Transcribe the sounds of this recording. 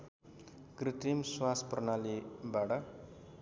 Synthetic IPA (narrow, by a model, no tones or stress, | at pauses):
krit̪imswasprʌnalibaʈʌ